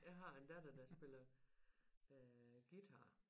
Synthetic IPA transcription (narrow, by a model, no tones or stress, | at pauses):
jɑ̈ɪɦɑ̈end̥æd̥ɐd̥æsb̥e̝lɐ | ɡ̥id̥ʰɑ̈